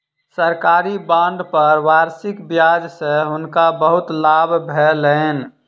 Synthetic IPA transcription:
səɾkaːɾibãːɳɖpəɾʋaːɾsɪkbjad͡ʒseɦʊnkabəɦʊt̪laːbʱbʱɛlən

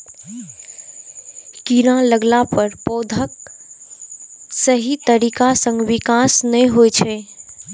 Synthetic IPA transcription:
kiɾãləɡlapəɾpoːd̪ʱək | səɦit̪əɾikasə̃ŋɡʋɪkasnəĩɦojt͡ʃʰɛ

